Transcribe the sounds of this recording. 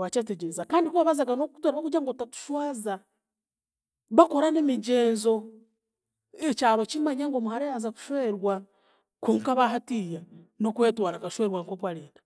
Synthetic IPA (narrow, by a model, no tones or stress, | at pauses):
wat͡ʃeːteɟezakaːndikuβaβazaɡanoku̥twaɾaβakud͡ʒaŋɡotatu̥ʃwaːza | βako̞ɾanemiɟe̞ːnzo̞ | et͡ʃaːɾo̞t͡ʃimaɲaŋɡo̞muhaɾejazaku̥ʃwe̞ːɾwa | kuːŋkaβaɦatiːjeno̞kwe̞ːtwaːɾakaʃwe̞ːɾwaŋko̞kwaliːnda